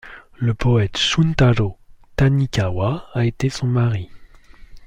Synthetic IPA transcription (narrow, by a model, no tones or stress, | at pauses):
ləpɔɛt̪ʃunt̪aɾot̪anikʲawaːet̪esɔ̃maʁi